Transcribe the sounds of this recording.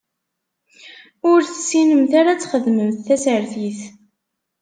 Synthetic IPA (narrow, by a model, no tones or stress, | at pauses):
ʊɾθəsːinəmθaɾat͡sːχəðməmθːæsəɾθiθ